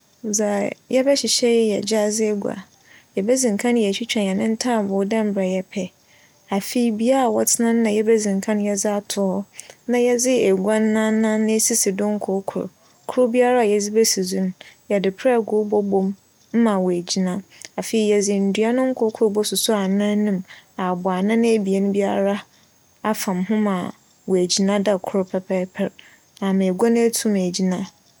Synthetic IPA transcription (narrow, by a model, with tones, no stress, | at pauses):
za˨jɛ˦bɛ˦ɕɪ˨ɕɛ˦jjɛ̰˨d͡ʑa˦zɪ˦e˦ɡʷa̰˨ | jɛ˨bɛ˦zĩ˨ŋ˨kʰã˦n˦jɛ˨t͡ɕᶣi˦t͡ɕᶣã˨n˨ɛ˨nɪ̃˦n̩˦tʰaː˦˨bʊ˨˦dã˦m˦bɾa˨jɛ˨pʰɛ˦ | a˨fe˨i˨bi˦a˦ɾa˨wɔ˦tʰɪ˦nã˦n˦nã˨jɛ˦bɛ˦zĩ˨ŋ˨kʰã˦n˦jɛ˦d͡zɪ˦a˦tʰʊ˨˦ɔ˦nã˨jɛ˦d͡zɪ˦e˨ɡʷa˦n˦nã˦nã˦nɪ̃˦si˦sɪ˨dʊ̃˦ŋ̩˦kʰʊ˨˦kʰʊ˨ɾʊ̰˨ | kʰʊ˦ɾʊ˦bi˦a˦ɾa˦a˨jɛ˨d͡zɪ˦bɛ˦si˨zũ˦n˦jɛ˨dɪ˨pʰɾɛ˦˨ɡʊ˦bɔ˦bõ˦m | m̩˦mã˨wɔ˨æ˨d͡ʑi˨nã˦a˨fe˨i˨jɛ˨d͡zɪ˨n̩˨dɥa˦nʊ̃˦ŋ̩˦kʰʊ˨˦kʰʊ˦ɾbɔ˦sʊ˨sʊ˦a˨nã˦nũ˦ma˨bʊ˨a˨nã˦ñ˦e˦bi˨e˨nʊ̃˦bi˦a˦ɾa˦ | a˨fã˨mɦʊ̃˦mã˨ | wɔ˨æ˨d͡ʑi˨nã˦da˨kʰʊ˦ɾʊ˦pʰɛ˨pʰɛ˦pʰɛ˨ɾ | a˨mã˨e˨ɡa˦nʊ̃˦e˦tʰũ˦m˨e˨d͡ʑi˨nã˦